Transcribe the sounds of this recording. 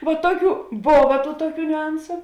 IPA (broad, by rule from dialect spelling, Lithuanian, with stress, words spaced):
ʋɐ ˈtuɔˌkʲuː ˈboːʋɐ ˈtuː ˈtuɔˌkʲuː nʲʊˈɐnsʊ